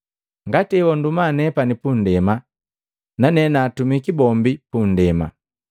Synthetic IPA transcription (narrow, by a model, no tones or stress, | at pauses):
ŋɡatɛwɔndumanɛpanipundɛma | nanɛnaːtumikibɔmbipundɛma̰